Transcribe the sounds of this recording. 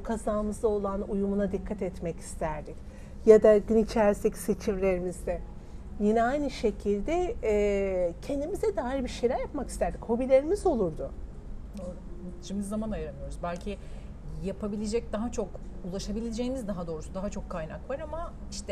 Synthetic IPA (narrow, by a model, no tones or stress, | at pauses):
bukʰazaːmɯzd̪ˠao̞lˠanujumunad̪ikʰːat̪ɛt̪mɛci̥st̪ʰæɾd̪ic | jad̪aɟynit͡ʃʰæɾst̪eci̥se̞t͡ʃʰimlʲe̞ɾimizd̪ɛ | jinɛajnɯʃe̞cʰilʲd̪ɛ | cʰɛnd̪imizɛd̪aːjiɾbiɾʃejlʲæɾjapmaki̥st̪æɾd̪icho̞bilʲe̞ɾimizo̞lˠuɾd̪ʊ | t͡ʃʰimizːamanajɾanɯjo̞ɾuzbælʲcʰi | japʰabilʲed͡ʒɛc̚d̪aɦat͡ʃʰo̞kulˠaʃabilʲed͡ʒejinizd̪aɦad̪o̞ːɾusud̪aɦat͡ʃʰo̞kʰːajna̰kvaɾama | iʃt̪ʰɛ